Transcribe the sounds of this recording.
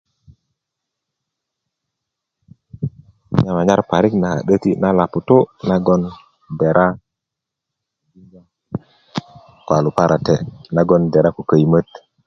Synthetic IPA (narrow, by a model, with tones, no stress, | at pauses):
ɲa˨ma˨ɲa˦ɾpa˨ɾi˦kna˨ha̰˨ɗə˦tḭ˦na˦la˨pu˨to˦na˦ɡo˦n | be˨ɾʔa˦˨ | bi˦d͡ʒa˦ | kwa˨lu˨pa˦ɾʔa˨te˨na˦ɡo˦nde˨ɾa˦ku˨kə˨jmə˦t